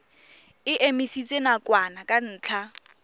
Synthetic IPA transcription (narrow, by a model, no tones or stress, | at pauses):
ɪʔemisit͡sʼenakʼwanakʼan̩ːt͡ɬʰa